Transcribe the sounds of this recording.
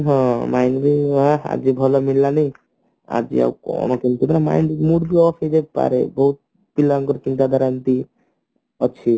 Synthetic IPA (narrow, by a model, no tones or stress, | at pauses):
ɦɔ̃majnbiɦãa̰d͡ʒibʱɔlɔmillanij | a̰d͡ʒḭa̰ukɔ̰nɔkint̪umanamainmuɽbʱiɔsed̪eb̚pa̰ɾebɔɦut̪̚ | pilaŋɡɔɾt͡ʃint̪ad̪ʱaɾant̪i | ɔt͡ʃʰi